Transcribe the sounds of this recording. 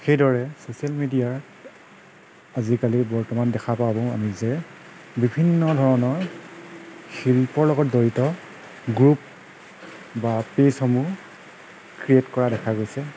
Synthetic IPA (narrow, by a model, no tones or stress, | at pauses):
xejdʱɔɹɛsosialmidijaɹ | azikalibɔɹtɔmandɛkʰapabɔ̃ʊ̃a̰mizɛ | bibʱinːɔdʱɔɹɔnɔɹ | xilpɔɹlɔɡɔt̚dɔɹitɔ | ɡɹup̚ | bapesxɔmu | kɹietkɔɹadɛkʰaɡojsɛ